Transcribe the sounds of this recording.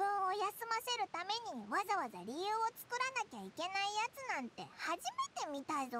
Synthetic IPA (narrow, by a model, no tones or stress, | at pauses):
bɯ̟̃o̞jasɨmase̞ɾɯ̟t̪ame̞ɲ̟iβazaβaza̰ɾʲijɯ̟ːo̞t͡sɨ̥kɯ̟ɾanakʲaike̞naijat͡sɨnãnt̪e̞̰haʑime̞t̪e̞mʲit̪aizo